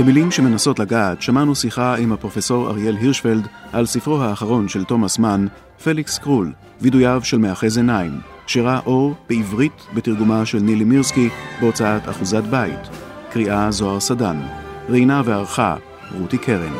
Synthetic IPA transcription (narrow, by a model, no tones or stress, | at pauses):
b̥emilimʃe̞me̞naso̞tlaɡaːtʃamanusiχaimhapʁo̞feso̞ʁa̰ʁje̞lɦiʁʃfeldʔalsifʁoɦaːχaʁo̞nʃe̞lto̞masman | fe̞likskʁul | vidujavʃe̞lmeaχezenajm | ʃeʁaʔo̞ʁb̥eivʁitbetiʁɡumaʃe̞lnilimiʁskibeo̞t͡saata̰χuzatbaḭtkʁiʔazo̞aʁsadanʁinave̞aʁχa̰ | ʁutikʰeʁḭn